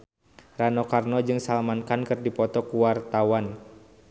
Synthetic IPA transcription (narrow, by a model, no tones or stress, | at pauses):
ranɔkarnɔd͡ʒɨŋsalamankankɨrdipɔt̪ɔkuwart̪awan